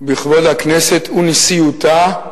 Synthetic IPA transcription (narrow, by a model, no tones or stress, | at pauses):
biχvodhakneset̪ʰunisijut̪a